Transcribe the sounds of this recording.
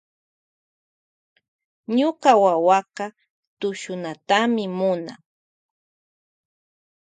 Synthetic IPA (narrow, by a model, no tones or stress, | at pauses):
ɲʊqɑwawɑqɑ | t̪ʊʃʊnat̪amɪmʊna